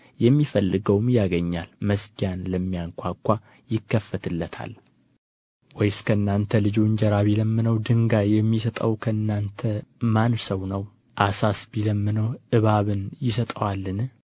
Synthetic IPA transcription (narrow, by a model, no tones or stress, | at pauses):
jɛmːifəlːɨɡəwmjaɡəɲːalməsɡijanləmːijaŋkʷʰakʷːa | jɪkːəfːət̪ʰɨlːət̪ʰa̰l | wɔjskʰəɨnːant̪ʰəlɨd͡ʒuɨɲd͡ʒɛɾaβiləmːɨnəwd̪ɨŋɡajɛmːisət̪ʼə̰wkʰəɨnːant̪ʰəmansəwnəw | ʔasasbiləmːɨnəwʔɨβaβɨnjɪsət̪ʼəwalːɨn